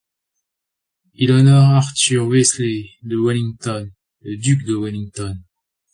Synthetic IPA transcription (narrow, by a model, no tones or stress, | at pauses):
ilɔnɔʁaʁt̪yʁwesled̪əwaliŋt̪ɔn | ləd̪ykd̪əwɛliŋt̪ɔn